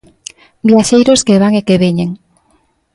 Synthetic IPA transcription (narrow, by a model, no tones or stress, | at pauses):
bjaʃejɾoskeβ̞aŋekeβeɲeŋ